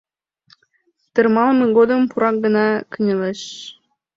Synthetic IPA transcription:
t̪ə̆rmɑlmɤ̆ɡod̪ə̆mpuɾɑk̚ɡə̆nɑkənʲəleʃ

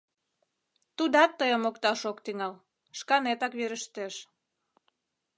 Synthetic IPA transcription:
t̪ud̪ɑt̪ːəjə̆mokt̪ɑʃokt̪iŋɑl | ʃkɑnet̪ɑkβeɾəʃt̪eʃ

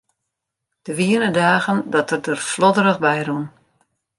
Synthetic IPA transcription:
d̥əʋiənədaːɣəndɑtərdərflɔdəɾəχbɛjrun

